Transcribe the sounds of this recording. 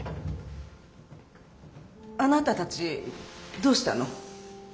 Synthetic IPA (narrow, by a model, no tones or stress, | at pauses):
anat̪at̪ʰat͡si | d̪ost̪a̰no